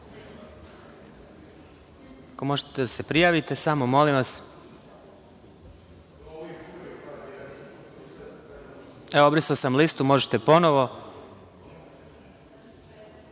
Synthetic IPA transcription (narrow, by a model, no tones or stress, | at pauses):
komo̞ʒet̪ed̪asepɾijaːʋit̪esamomo̞limʋas | eoobɾisaosamlist̪umo̞ʒet̪epo̞noʋo̞